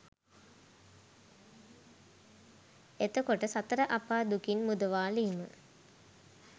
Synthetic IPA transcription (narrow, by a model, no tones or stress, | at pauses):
et̪əkoʈəsat̪əɾəʔapaːd̪ukinmud̪əʋaːlimə̰